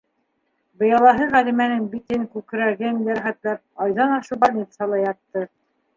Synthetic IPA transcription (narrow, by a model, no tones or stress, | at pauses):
bɤ̆jɑlˠɑɦɤʁælimænɘnbit̪ɘnkʉk̆ɾæɣɘnlæɾæχæt̪læp̚ɑjðɑnɑʃɤbɑet̪sɑlˠɑjɑt̪ːɤ